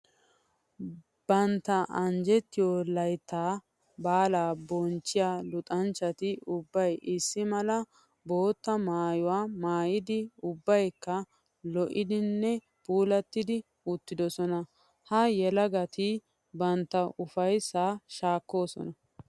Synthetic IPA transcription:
b̥ɐnt̪ːɐʔɐnd͡ʒɛt̪ːɪjolɐjt̪ːaː | baːlaːbɔnt͡ʃːɪjaːlʊt̪ʼɐnt͡ʃːɐt̪ɪʊbːɐjʔɪsːɪmɐlɐ | bo̞ːt̪ːɐmaːjʊwaːmaːjɪd̪ɪʊbːɐjkːɐ | lɔʔɪd̪ɪnːɛ | puːlɐt̪ːɪd̪ɪ | ʊt̪ːɪd̪ɔsɔnɐ | hɐjɛlɐɡɐt̪ɪ | bɐnt̪ːɐʊfɐjsːaːʃaːkːo̞ːsɔ̰nɐ

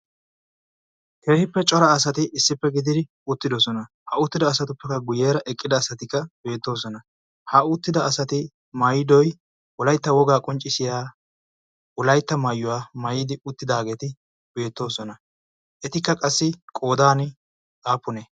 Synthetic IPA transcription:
kʰeːhɪpːɛt͡ʃʼɔɾɐːsɐt̪ɪʔɪsːɪpːɛɡɪd̪ɪd̪ɪ | ʊt̪ːɪd̪ɔsɔnɐ | hɐʊt̪ːɪd̪ɐːsɐt̪ʊpːɛkːɐɡʊjeːɾɐʔɛkʼːɪd̪ɐːsɐt̪ɪkːɐbe̞ːt̪ːo̞ːsɔnɐ | hɐʊt̪ːɪd̪ɐːsɐt̪ɪ | mɐjɪd̪ɔj | ʔʊlɐjt̪ːɐwɔɡaːkʼɔnt͡ʃʼːɪsɪjaː | ʊlɐjt̪ːɐmɐjːʊwaːmɐjɪd̪ɪʊt̪ːɪd̪aːɡe̞ːt̪ɪ | b̥e̞ːt̪ːo̞ːsɔnɐ | ʔɛt̪ɪkːɐkʼɐsːɪkʼo̞ːd̪aːnɪ | aːpːʊne

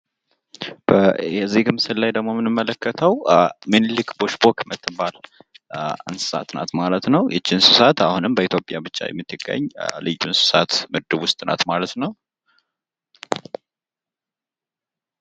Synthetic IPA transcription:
b̥əjɛzːihɡɨmsɨlːajd̪əɡmo̞mɨnɨmːələkːət̪ʰəwmɨnlɨkboʃbokmət̪ʰːɨbal | ɨ̰nsɨ̥sa̰t̪na̰t̪malət̪nəwjɛt͡ʃːinsɨsat̪ahunɨmbəit̪ʰjo̞pʼjabɨt͡ʃʼːa̰jɛ̰mːɨt̪ʰːɨɡ̥ːə̰ɲːlɨjːunsɨ̥sat̪mɨd̪ɨβwʊst̪ʼɨnʔa̰t̪malət̪nəw

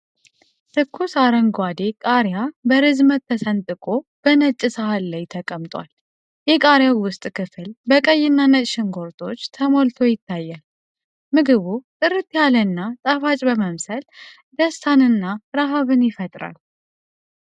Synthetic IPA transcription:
t̪ʰɨkʰːusaɾəŋɡwad̪e̞kʼaɾjabəɾɨzmət̪ʰːəsənt̪ʼɨkʼo̞b̥ənət͡ʃʼːɪsəhalːajt̪ʰəkʼəmt̪ʼwa̰l | jɛkʼaɾjawwʊst̪ʼkʰɨfɨlbəkʼəjːɪnːanət͡ʃʼʃɪŋɡo̞ɾt̪ʰo̞t͡ʃːt̪ʰəmo̞lt̪ʰo̞jɪt̪ʰːajːal | mɨɡɨβut̪ʼɨɾɨt̪ːjalənːat̪ʼafat͡ʃʼbəməmsəl | d̪əst̪ʰanɨnːaɾaɦaβɨnjɪfət̪ʼɾa̰l

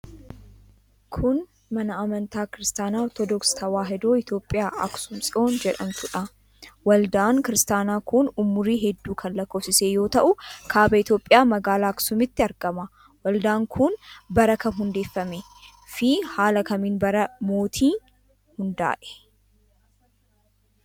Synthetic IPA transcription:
kʰʊn | mɐnɐɐmɐnt̪aːkɪɾɪst̪aːnaːɔt̪ɔd̪ɔkst̪ʰɐwaːɦɛd̪oːɪt̪jo̞ːpʼːɪjaːʔɐksʊmsʼɪo̞ːnd͡ʒɛᶑɐmt̪ʊᶑɐ | wɐld̪aːŋkɪɾɪst̪aːnaːkʊnʊmːʊɾiːɦɛd̪ːuːkʰɐnlɐkːoːfsɪseːjo̞ːt̪ɐʔʊkʰaːbɐɪt̪jo̞ːpʼːɪjaːmɐɡaːlaːksʊmɪt̪ːɪɐɾɡɐmɐ | wɐld̪aːŋkʰʊnbɐɾɐkɐnɦʊnd̪e̞ːfːɐmɛ | fihaːlɐkɐmiːnbɐɾɐmo̞ːt̪ʰiː | hʊnd̪a̰ːʔɛ̥

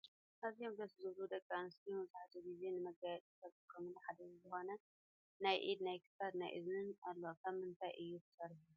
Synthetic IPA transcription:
ʔazijomɡɐszɨβlud̪ɐkʼːanɨst̪ʰimɐzaħat̪ʰuɡize̞nɨmɐɡajɛt͡s̪ʼisɐβʼkʼʰɐmɨnħad̪ɐzɨzɨxo̞nɐ | najʔid̪najkʰɨ̥sad̪najʔɨ̰znɨnalːokʰɐmɨnt̪ʰajʔɨjːut̪ʰɨ̥sɐɾħuju

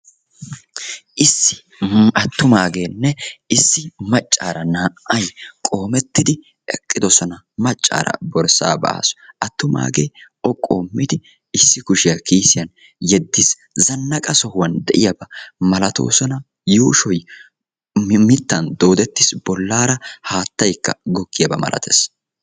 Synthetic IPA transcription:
ʔɪsːɪ̥ | ɐt̪ːʊmaːɡe̞ːnːɛɪsːɪmɐt͡ʃʼːaːɾɐnaːʔʔɐjkʼo̞ːmɛt̪ːɪd̪ɪ | ɛ̰kʼːɪd̪ɔsɔnɐ | mɐt͡ʃʼːa̰ːɾɐ̰bɔɾsa̰ːbɐ̰ʔa̰ːsɔ̥ʔɐt̪ːʊma̰ːɡe̞ːʔɔkʼːoːmːɪd̪ɪ | ɪsːɪkʊʃɪjɐkiːsɪjɐn | jɛd̪ːɪs | zɐnːɐkʼɐsɔhʊwɐnd̪ɛʔɪjɐbɐmɐlɐt̪o̰ːsɔnɐ | juːʃɔj | mɪt̪ːɐnd̪o̞ːd̪ɛt̪ːɪsb̥ɔlːaːɾɐhaːt̪ːɐjkːɐɡɔkːɪjɐbɐ̰mɐ̰lɐ̰t̪ʰeːs

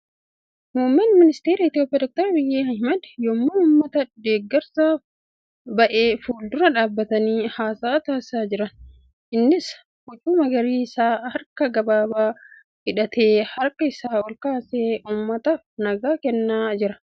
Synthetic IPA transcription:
muːmːɛnmɪnɪst̪eːɾiɪt̪ɪjoːpʼːijaːd̪ɔk̚t̪ɔɾbɪjːeːhɐhmɐd̪jɔmːʊnʊmːɐt̪ɐd̪eːɡːɐɾsaːf | bɐʔe̞ːfuːld̪ʊɾɐᶑaːbːɐt̪ɐniːhaːsaːt̪aːsaːd͡ʒɪɾɐn | ʔɪnːɪs | kʊt͡ʃʼːuːmɐɡɐɾiːɪsaːhɐɾkɐɡɐbaːbaː | hɪᶑɐt̪ʰe̞ːhɐɾkɐɪsaːɔlkaːseːʔuːmːɐt̪ɐfnɐɡaːkɛnːaːd͡ʒɪɾɐ

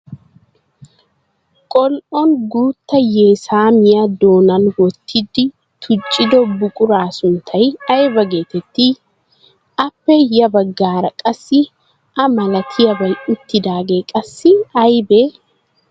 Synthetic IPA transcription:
kʼɔlʔɔnɡuːt̪ːɐjeːsaːmɪjɐd̪o̞ːnɐnwɔt̪ʰːɪd̪ɪ | t̪ʰʊt͡ʃʼːɪd̪ɔbʊkʼʊɾaːsʊnt̪ʰɐjɐjbɐɡe̞ːt̪ɛt̪ːɪ | ɐpːɛjɐbɐɡːaːɾɐkʼɐsːɪ | ɐmɐlɐt̪ʰɪjɐbɐjʊt̪ːɪd̪aːɡeːkʼɐsːɪɐjbeː

